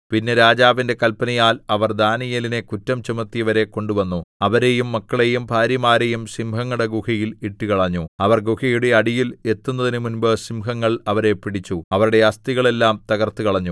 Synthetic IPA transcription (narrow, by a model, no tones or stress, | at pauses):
pinːe̞ɾaːd͡ʑaːʋinde̞kɐlpɐnɐjaːlɐʋɐrd̪aːnijɐline̞kutːɐmt͡ɕumɐt̪ːijɐʋɐɾe̞ko̞ɳɖuʋɐnːuɐʋɐɾe̞jumːɐkːɐɭe̞jumbʱaːɾjɐmaːɾe̞jumsimhɐŋːuɽeɡuhɐjiliʈːukɐɭɐɲːuɐʋɐrɡuhɐjuɽe̞ɐɽijile̞t̪ːunːɐðinɨmunbɨsimɦɐŋːɐɭɐʋɐɾe̞piɽit͡ɕːuɐʋɐɾuɽe̞ɐst̪iɣɐɭe̞lːaːmt̪ɐɣɐrt̪ːukɐɭɐɲːu